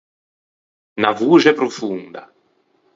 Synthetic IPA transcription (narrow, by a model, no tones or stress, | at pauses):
navuːʒɛpɾofund̪a̰